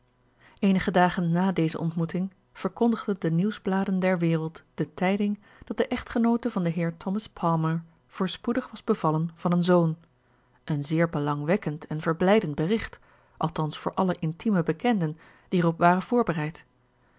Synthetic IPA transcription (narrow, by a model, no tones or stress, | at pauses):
ejnəχədaːχənːaːdejzə̰ʔɔ̰ntmutɪŋ | v̥əɹkɔndəχdəndəniwzblaːdəndɛɹʋɪːrəlˠtd̥ətɛjdɪŋ | d̥ɑt̚dəʔɛχtχənowtəvɑndəɦɪːɹtʰɔmɑspʰɑlˠməɹ | v̥ʊːɹspudəχʋɑzbəv̥ɑlənv̥ɑnənzown | ʔənzɪːɹbəlɑŋʋɛkəntɛnvəɹblɛjdənt̚bərɪχt | ʔɑlˠtɑnsfʊːɹʔɑləʔɪntiməbəkɛndən | d̥iɛrɔpʋaːrənv̥ʊːɹbərɛjt